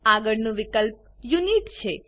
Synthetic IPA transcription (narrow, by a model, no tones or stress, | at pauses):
aɡəɭnũʋɪkəlp̚ | juniʈt͡ʃʰe